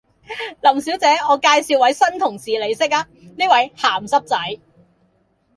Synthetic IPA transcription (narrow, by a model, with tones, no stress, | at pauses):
lɐ˨˩msiː˨˥wt͡sɛː˨˥ɔː˨˧kaː˧jsiː˨˧wɐ˨˥jsɐ˥nt̪ʰʊ˨˩ŋsiː˨le˨˧jsɪ˥k̚a˧ | niː˥wɐ˨˥jhaː˨˩msɐ˥p̚t͡sɐ˨˥j